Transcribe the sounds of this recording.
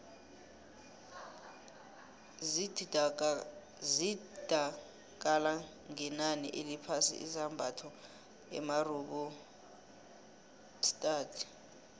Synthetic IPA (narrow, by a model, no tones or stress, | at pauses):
id̥ʱa | k̬ʼala | ŋɛnanḭʔelipʰasḭʔḭzambʱatʰɔ | ɛ̰maruɓɔ | stʼaːtʰi̥